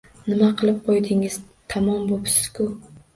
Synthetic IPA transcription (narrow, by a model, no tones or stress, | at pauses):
nɪmaqʰɨlˠɪp̚qʰojd̪ɪŋɪz̥ | t̪ʰamɒmbopsɪ̥z̥kʰʊ